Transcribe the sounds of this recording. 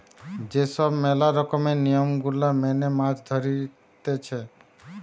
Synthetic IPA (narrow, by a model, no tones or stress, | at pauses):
d͡ʒesəbmɛlaɾəkəmenijəmɡʊlːamɛnemãd͡ʒd̪ʱəɾi | t̪et͡ʃʰe